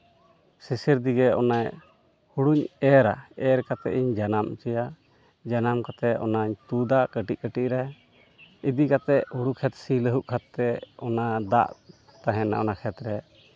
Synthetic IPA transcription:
sisiɾd̪iɡɛɔnaj | huɽuɲɛɾa̰ɛɾkat̪ɛ̰ʔiɲd͡ʒanamt͡ʃɛja | d͡ʒanamkat̪ɛɔ̰naɲt̪ud̪aʔkəʈic̚kəʈiʔɾɛ | id̪ikat̪ɛʔhuɽukʰɛt̪siləɦuʔkʰat̪ːɛɔnad̪a̰ʔ | t̪aɦɛ̃na̰ʔɔ̰nakʰɛt̪ɾɛ

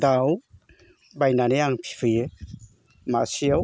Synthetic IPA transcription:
d̪aw | bajnanejaŋpʰi̥fʰɯjɯ | masija

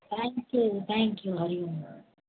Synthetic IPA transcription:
t̪ʰɛ̃ŋkjut̪ʰɛ̃ŋkjuɣɐɾim

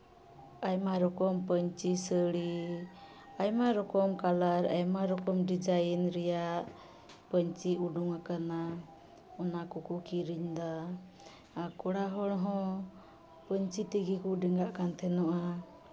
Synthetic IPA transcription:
ajmaɾɔkɔmpəɲt͡ʃisəɽi | ajmaɾɔkɔmkalaɾajmaɾɔkɔmɖid͡ʒajinɾɛjaʔʔ | pəɲt͡ʃiuɖuŋakana | ɔnakɔkukiɾiɲd̪a | akɔɽaɦɔɽɦɔ̃ | pəɲt͡ʃit̪iɡikuɖɛŋɡaʔkant̪ʰɛnɔʔa

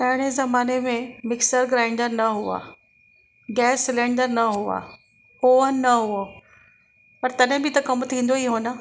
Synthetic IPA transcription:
t̪ɐ̃ɦɪɽ̃ezɐmaːnemẽmɪksəɾɡɾãːɪ̃ɳɖəɾnɐɦua̰ | ɡɛːsːɪlẽːɳɖəɾnɐɦua̰ | ɦoənɐɦuo | pɐɾt̪ɐɗɦɪ̃bɪt̪ɐkɐmt̪ʰĩːn̆d̪oiɦoːnə

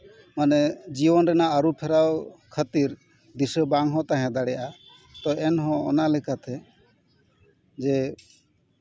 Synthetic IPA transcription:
manɛd͡ʒibɔnɾɛnaəɾupʰɛɾawkʰət̪iɾ | d̪isəbaŋɦɔ̃t̪aɦɛ̃d̪aɽɛjaʔa | t̪ɔʔɛnɦɔ̃ɔ̰nalɛkat̪ɛ | d͡ʒɛ

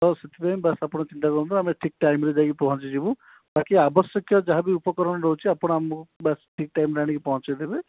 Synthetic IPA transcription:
t̪ɔset̪ipajmbasapɔɽ̃ɔt͡ʃint̪akɔɾunt̪ɾaːmeʈʰik̚ʈajmɾed͡ʒaɡipɔɦɔ̃t͡ʃid͡ʒibũ | bakiabɔsjɔkjɔd͡ʒaɦabiupɔkɔɾɔɽ̃ɔɾɔɦut͡ʃʰiapɔɽ̃ɔamɔkubasʈʰik̚ʈajmɾaɽ̃ikepɔɦɔ̃t͡ʃajd̪ʱebe

